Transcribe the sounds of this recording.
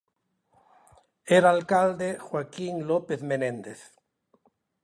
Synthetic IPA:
eɾalkald̪exwakiŋlopeθmenẽnd̪eθ

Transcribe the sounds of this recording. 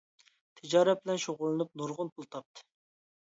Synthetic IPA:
t̪ʰɪd͡ʒɑːɾɛt̪̚bɪlɛnʃoʁʊlˠɨnup̚nuɾʁʊnpʰulˠt̪ʰɑp̚t̪ʰɨ̥

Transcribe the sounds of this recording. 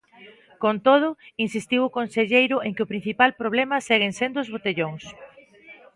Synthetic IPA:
kont̪oð̞ʊinsist̪iwʊkonseʎejɾʊeŋkɪʊpɾin̟θipalpɾoβ̞lemɐseɣeŋsend̪ʊʊzβot̪eʎoŋs

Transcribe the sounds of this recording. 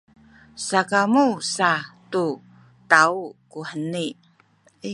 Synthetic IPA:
sakamusatu | taukuħəni

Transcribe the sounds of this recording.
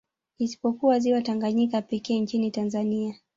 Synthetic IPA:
isi̥pɔkuwaziwataŋɡaɲikapɛkɛːnt͡ʃinitanzania

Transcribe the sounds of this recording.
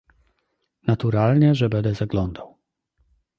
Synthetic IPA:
nat̪uɾalɲɛʐɛbɛnd̪ɛzaɡlɔnd̪aw

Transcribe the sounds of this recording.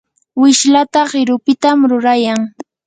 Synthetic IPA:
wɪʃlat̪aɢɪɾʊpɪt̪amɾʊɾajaŋ

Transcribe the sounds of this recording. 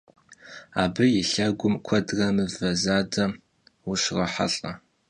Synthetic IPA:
aːbɨjɪɬɐɡʷʊmkʷʰɐdɣɐmɨvɐzaːdɐ | wʊʃrɐħa̰ɬʼɐ

